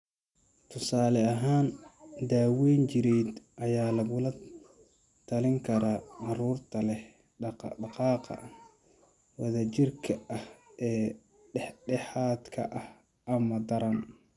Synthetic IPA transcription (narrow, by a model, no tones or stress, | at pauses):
t̪ʰʊsaːlɛɐɦaːnd̪aːwɛːnt͡ʃɪɾɛjd̪ʔɐjaːlɐɣʊlɐ | t̪ʰɐlɪŋkʰɐɾaʔɑruːrt̪ʰɐlɛh | ɑqɑːqɑ̰ | wɐðɐt͡ʃɪrkʰɐɐhʔɛː | ɖɛħɖɛħaːd̪kʰɐ̰ʔɐh | ʔɐmɐd̪ɐɾɐn